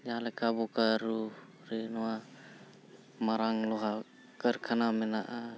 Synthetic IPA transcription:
ɲalekabukaɾu | ɾinoa | maɾaŋloɦa | kəɾkʰanamenaʔa

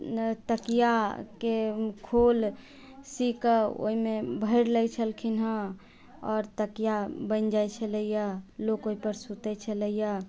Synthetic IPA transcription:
t̪əkijakekʰol | sikəo̰ɦimebʱəɪɾləjt͡ʃʰəlkʰinɦə̃ | ɔːɾt̪əkijabənd͡ʒajt͡ʃʰələijalokoɦipəɾsut̪ɛt͡ʃʰələija

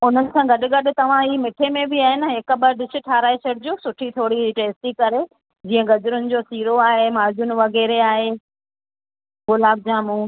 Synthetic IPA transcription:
ʊnəsãɡɐɗʊ̆ɡɐɗʊ̆t̪ɐʋ̤ãɦiːmɪʈʰemẽbɪaːɦɪnɦɪkəbɐɾɖɪsɪ̆ʈʰaːɾaːesɐɽd͡ʑoːsʊʈʰit̪ʰoːɽiʈeːsʈikɐɾe | d͡ʑiːə̃ɡɐd͡ʑʊɾʊnɪ̆d͡ʑosiːɾoaːɦemaːd͡ʑʊnɪ̆ʋɐɣɛːɾeaːɦeː | ɡʊlaːb̚d͡ʑaːmũː

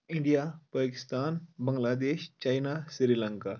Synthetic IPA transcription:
ɪ̃ɳɖijapaːkɪ̥st̪aːnbəŋɡlaːd̪eːʃt͡ʃajnasiɾilə̃ŋka

